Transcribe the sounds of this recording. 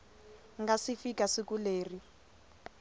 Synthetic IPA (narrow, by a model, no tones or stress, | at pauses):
ŋɡasifikasikuleːri